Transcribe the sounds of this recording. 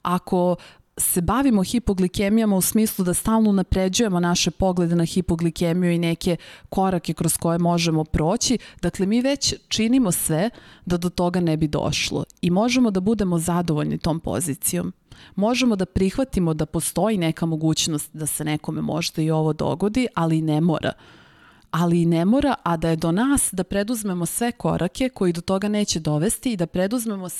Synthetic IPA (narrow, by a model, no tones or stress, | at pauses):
akʰo̞ | se̞baʋimo̞xipoɡlikemijamausmiːslˠud̪ast̪aːlˠnounapɾed͡ʑuje̞monaʃe̞po̞ɡle̞d̪e̞naxipoɡlikemijuineke̞ko̞ɾake̞kɾosko̞je̞mo̞ʒemo̞pɾoːt͡ɕid̪̥akle̞miːʋet͡ɕt͡ʂinimosʋed̪ad̪ot̪o̞ɡanɛbid̪o̰ʃlˠo̰imo̞ʒemo̞d̪abud̪e̞mozad̪oʋo̞ʎnḭt̪o̞ːmpo̰zit̪sijo̞̰mːo̞ʒemo̞d̪apɾixʋat̪imo̞d̪apo̞st̪o̞jinɛkamoɡuːt͡ɕnost̪d̪asenɛko̞memo̞̰ʒd̪aio̞ʋo̞d̪o̰ɡod̪iʔaliːnɛmo̰ːɾʔa̰ | aliːnemo̞ːɾaʔad̪aje̞d̪o̞naːsd̪apɾed̪uzme̞mosʋe̞ko̞̰ɾʔake̞ko̞jid̪ot̪o̞ɡane̞ːt͡ɕed̪o̞ʋe̞st̪iːd̪apɾed̪uzme̞mo